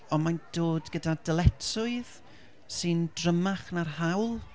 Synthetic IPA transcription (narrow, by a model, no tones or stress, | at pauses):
ɔnmand̥oːdɡədad̥əlˠɛtʰʊɨð | sɨndrəmaχnarɦawlˠ